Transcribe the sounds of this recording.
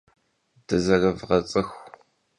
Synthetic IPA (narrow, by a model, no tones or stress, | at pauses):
d̥ɨzɐɣɐvʁɐt͡sʼɨxʷ